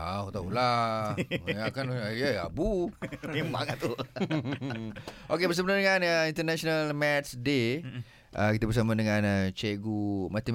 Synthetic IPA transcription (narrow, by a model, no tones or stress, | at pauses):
a̰ut̪aula | akanaa̰bumema̰ŋat̪u | okebəs̬əbənadəŋanəint̪ənaʃonalmɛt̪sde | ʔəkit̪əbəɾs̬amadəŋãnət͡ʃɛɡumat̪i